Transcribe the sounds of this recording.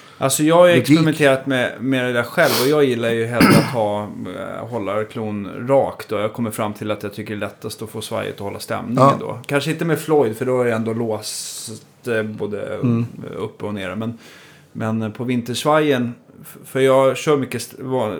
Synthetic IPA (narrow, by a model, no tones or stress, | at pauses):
ʔa̰lsɔjɑːɡaɾɛksɛmɛnt̪ʰeːɾat̪mɛmeːɾad̪æːɧɛlvɔjɑːɡjɪlːaɾjɵɦɛlat̪hɑː | ɦɔlːakʰluːnɾɑːkt̪̚d̪ɔjɑːkʰɔmːəɾfɾamːt̪ʰɪlat̪jɑt̪ʰʏkːəɾɛlɭɛt̪ːast̪ɔfoːsva̰ɾjə̰t̪ɔhɔlːa̰st̪ɛ̰mnɪŋə̰nd̪o̰ːkʰanʂəɪnt̪əmɛd̪flɔjd̪fœɖɔaɾɛɛnd̪oːloːst̪boːd̪ə̰ | ɵ̰pːəɔnḛːɾmɛn | mɛnpʰɔvɪnt̪əʂvaɾjən | fœɾjɑːɡɕœːmʏkːəsv